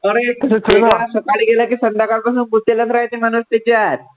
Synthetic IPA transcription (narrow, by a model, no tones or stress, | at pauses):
əɾeseasəkaɭiɡelakisənd̪akaɽpasuːnbut̪ːeləsɾaɦet̪emañust̪et͡ɕaɾ